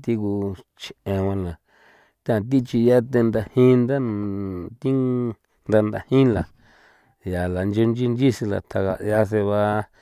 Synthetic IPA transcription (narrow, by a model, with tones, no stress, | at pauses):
t̪i˧ku˧ | t͡ʃʰẽ˨wã˧la˨ | t̪e˦ã˧t̪̬i˦t͡ʃi˧ja˦t̪e˧nd̪a˧hĩ˦nd̪a˦ | t̪i˦ | nd̪a˧nd̪a˧hĩ˦la˨ | ja˨la˨nd͡ʒo˧nd͡ʒi˦nd͡ʒi˦si˧la̰˨t̪ʰa˧ɣa̰˧˨ja˧s̬e˧βa˧